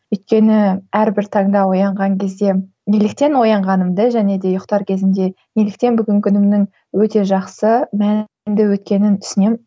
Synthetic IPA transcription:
ʏjt̪̚kʲe̞nɪæɾbɪɾt̪ʰɑɴd̪ɑwo̞jɑɴʁɑŋkʲʰe̞zd̪e̞ | melɪk̚t̪e̞nwo̞jɑɴʁɑnəmd̪əʒæne̞d̪e̞jʊqt̪ɑɾkʲʰe̞zɪnd̪e̞ | nʲelɪkt̪e̞nbʏɡʲɪŋkʲʰʏnɪmnɪŋ | wɵt̪e̞ʒɑqsəmæn | md̪ɪwɵt̪̚kʲe̞nɪnt̪ʰʏ̥sɪne̞m

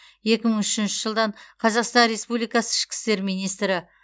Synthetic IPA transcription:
je̞kʲɪməɴʏʃɪnʃɪʒəlˠd̪ɑɴqʰɑzɑqst̪ɑnɾe̞spublijkɑsə̥ɪʃkʲɪ̥st̪e̞ɾmijnijst̪ɾɪ

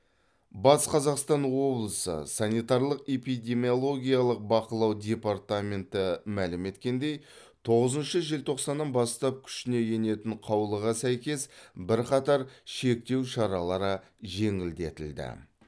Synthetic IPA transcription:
bɑsqʰɑzɑqst̪ɑnwo̞blˠəsə̰sɑnit̪ɑɾlˠəqe̞pijd̪ʲe̞mʲijo̞lˠo̞ɡʲijalˠəq̚bɑqəlˠɑwd̪ʲe̞pɑɾt̪amʲe̞nt̪ɪmælɪme̞t̪kʲe̞nd̪e̞j | t̪ʰo̞ʁəzənʃəʒɪlt̪ʰo̞qsɑnːɑnbɑst̪ɑp̚kʲʰʏ̥ʃɪne̞ʒe̞ne̞t̪ɪɴqʰɑwlˠəʁɑsæjkʲe̞sbɪɾqɑt̪ɑɾʃe̞k̚t̪e̞wʃɑɾɑlˠɑɾə | ʒe̞ŋɪld̪e̞̰t̪ɪld̪ɪ̰

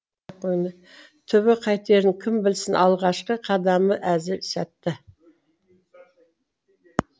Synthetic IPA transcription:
qʰojnə | t̪ʰʏβɪqʰɑjt̪e̞ɾɪŋkʲʰɪmbɪlsɪnʔɑlˠʁɑʃqəqʰɑd̪ɑməʔæzɪɾsæt̪ːɪ

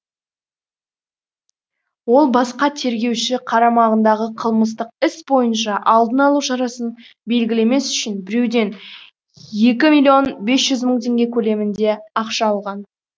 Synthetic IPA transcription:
wo̞lˠbɑsqɑt̪ʰe̞ɾɡʲe̞wʃɪqʰɑɾɑmɑʁənd̪ɑʁəqʰəlˠməs̬t̪əq̚ɪsbo̞jənʃɑʔɑlˠd̪ənɑlˠuʃɑɾɑsən | be̞lɡʲɪle̞me̞sʏ̥ʃɪnbɪɾe̞wd̪e̞n | je̞kʲɪmilʲijonbe̞sʒ̥ʏzməɴt̪ʰe̞ŋɡʲe̞kʲʰɵle̞mɪnd̪e̞ɑqʃɑːlˠʁɑn

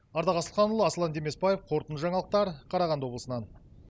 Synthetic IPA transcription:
ɑɾd̪ɑʁɑsəlˠqɑnʊlˠəɑsəlˠɑnd̪eme̞spɑjefqʰo̞ɾt̪ənʒɑɴɑlˠəq̚t̪ɑɾqʰɑɾɑʁɑnd̪wobləsənɑn

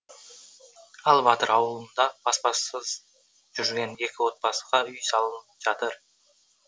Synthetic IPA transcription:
ɑlˠbɑt̪əɾɑwəlˠənd̪ɑb̥ɑspɑsəz | ʒ̥ʏɾɡʲe̞ne̞kʲɪwo̞t̪̚bɑsəʁɑʏjsɑlˠənəpʒ̥ɑt̪əɾ

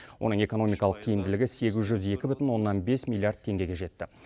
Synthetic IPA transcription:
wʔo̞̰nəɴe̞ko̞no̞mijkɑlˠəq̚kʲʰijɪmd̪ɪlɪɡʲɪse̞ɡʲɪzʒʏze̞kʲɪbʏt̪ɪnwo̞nːɑnbe̞smʲilˠiard̪̚t̪ʰe̞ŋɡʲe̞ɡʲe̞ʒe̞t̪ːɪ

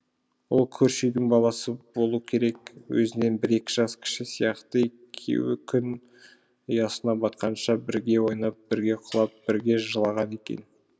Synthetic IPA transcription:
wo̞lˠkʲʰɵɾʃejd̪ɪŋbɑlˠɑsəbo̞lˠuəkʲʰe̞ɾe̞kwɵ̰zɪne̞nbɪɾe̞kʲɪʒɑskʲʰɪ̥ʃɪsijɑqt̪əekʲʰḛwɪkʲʰʏn | ʊjɑsənɑbɑt̪̚qʰɑnʃɑbɪɾɡʲe̞wo̞jnɑp̚bɪɾɡʲe̞qʰʊlˠɑp̚b̥ɪɾɡʲe̞ʒəlˠɑʁɑne̞kʲe̞̰n

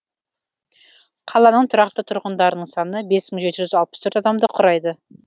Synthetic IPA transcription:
qʰɑlˠɑnəɴt̪ʰʊɾɑq̚t̪ət̪ʰʊɾʁənd̪ɑɾənəɴsɑnəbe̞sməɴʒe̞t̪ɪʒʏzɑlˠpə̥st̪ʰɵøɾt̪ɑd̪ɑmd̪əqʰʊɾɑjd̪ə

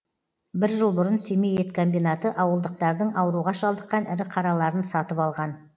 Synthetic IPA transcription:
bɪɾʒəlˠbʊɾənsemejet̪kʰombijnat̪əʔɑwəlˠd̪əq̚t̪ɑɾd̪əɴɑwɾuʁɑʃɑlˠd̪əqːɑnɪɾɪqʰɑɾɑlˠɑɾənsɑt̪əpɑlˠʁɑn

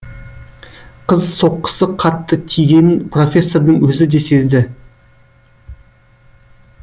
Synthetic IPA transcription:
qʰəzso̞qːə̥səqʰɑt̪ːət̪ʰijɡʲe̞npro̞fʲe̞sːo̞rd̪əɴwɵzɪd̪e̞se̞zd̪ɪ

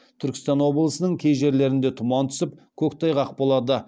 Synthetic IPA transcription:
t̪ʰʏɾkʲɪst̪ɑnwo̞blˠəsənəɴkʲʰejʒe̞ɾle̞ɾɪnd̪e̞t̪ʰʊmɑnt̪ʰʏ̥sɪp̚kʲʰɵkt̪ʰɑjʁɑq̚bolˠɑd̪ə

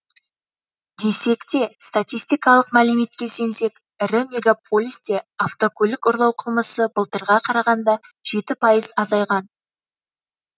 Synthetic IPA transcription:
d̪e̞se̞kt̪e̞st̪at̪ʲijst̪ijkɑlˠəqmælɪme̞t̪̚kʲe̞lse̞nse̞k | ɪɾɪmʲe̞ɡapʰo̞lʲijst̪e̞aft̪okʰɵlʲɪkʊɾlˠɑwqʰəlˠməsəbəlˠt̪əɾʁɑqʰɑɾɑʁɑnd̪ɑʒ̥e̞t̪ɪpʰɑjəzɑzɑjʁɑn

